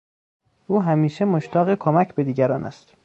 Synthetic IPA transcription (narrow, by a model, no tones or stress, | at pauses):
ʔuːɦæmiːʃemoʃt̪ʰɒːɣekʰomæcʰbe̞d̪iːɟæɾɒːnʔæ̰st̪